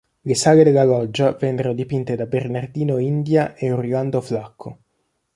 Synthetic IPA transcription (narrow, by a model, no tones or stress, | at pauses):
lesaːled̪elːalɔd͡ʒːavɛnːeɾond̪ipint̪ed̪abernard̪iːnoind̪jaʔeuriland̪oflakʰːo